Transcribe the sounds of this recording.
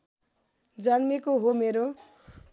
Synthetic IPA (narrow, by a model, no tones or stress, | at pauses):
d͡zʌnmekoɦomeɾo